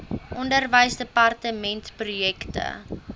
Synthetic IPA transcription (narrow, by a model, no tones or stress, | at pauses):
ʔɔndərvəjsdəpɐrtəmɛntprujɛktə̰